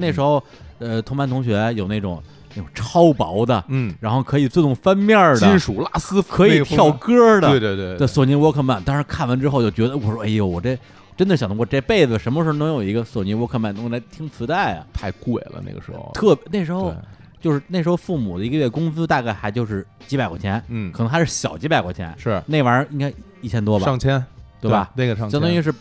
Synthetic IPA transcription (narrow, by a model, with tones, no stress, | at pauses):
ne˥˩ɪʂɻ̩˧˥xo˥˧ʊ | ə˧t̪ʰʊ˧˥ma˧˥nt̪ʰʊ˧˥ŋɕ̬ɥɛ˧˥jo˨˩ʊne˥˩ʈ͡ʂʊ̰˨˩˦ŋ | n˥˩ʈ͡ʂʊ˨˩ŋʈ͡ʂʰɑ˥ʊpɑ̰˧˥ʊd̪ə˧˩ɻa˧˥nxo˥˩ʊkʰɤ˧˥i˨˩t͡s̩˥˧ʈ͡ʂʊ˥˩ŋfa˥nmjɑ˥˩d̪ə˩˥˩nʂu˨˩la˥˩sɹ̩˥kʰɤ˧˥ii˨˩t̪jɑ˥˩˧ʊkɤ˥d̪ə˥˧e˥˧we˥˧t̪swɔ˨˩ni˧˥wɔ˧˥kʰə˧˩nma˧˥˩nt̪ɑ˥ŋʂɻ̩˧˥kʰa˥˩nwə˧˥nʈ͡ʂɻ̩˥xo˥˧ʊt͡ɕjo˥˩ʊt͡ɕɥɛ˧˥d̪ə˧wɔ˧˩ʂwʔe˥˩jo˧˩wɔ˨˩ʈ͡ʂe˥˧˩ | ʈ͡ʂə˥nd̪ə˨ɕjɑ˨˩ŋt̪ʰwɔ˧ʈ͡ʂe˥˧pe˥˩ɪd͡zɹ̩˩ʂə˧˥nmə˧ʂɻ̩˧˥˧nɑ˧˥jo˨˩ʊi˧˥ɡə˧so˨˩ʊni˧˥wɔ˧˥kʰə˥˩ma˥˩nt̪ʊ˧˥ŋ˥˧la˧˥ɪt̪ʰi˧˥ŋt͡sʰɹ̩˧˥t̪a˥˩ɪɐ̰˩t̪ʰa˥˧ɪkwe˨˩ɪlə̰˦nḛ˥˩ɡə̰˩ʂɻ̩˧˥xo̰˧t̪ʰɤ˥˩pjne˥˩ʂɻ̩˧˥xo˧˥˧ | t͡ɕjo˥˧ʂɻ̩˥˧ne˥˩ʂɻ̩˧˥xo˧ʊfu˥˩mṵ˨˩d̪ə˦i˧˥ɡə˧ɥɛ˥˩əkʊ˥ŋt͡sɹ̩˥t̪a˥˧ka˥˩ɪxa˧˥ɪt͡ɕjo˥˧ʊʂɻ̩˥˩ | t͡ɕi˧˥pɪkwɔ̰˥˩t͡ɕʰjɛ˧˥n̩˥˩kʰɤ˨˩˧ŋa˧˥ɪ˥ʂɻ̩˥˩ɕjɑ˨˩ʊt͡ɕi˥pa˨ɪkwɔ̰˨˩t͡ɕʰjɛ̰˧˥nʂɻ̩˥˩ne˥˩ɪʋɐ˧˥i˥ŋka˥ɪ | i˥˩t͡ɕʰjɛ˥nt̪wɔ˥ba˨ɑ˥˧ŋt͡ɕʰjɛ˥nt̪we˥˩ɪɐ˩ne˥˩ɑ˥˧jt̪ʊ˥i˧˥ʂɻ̩˥˩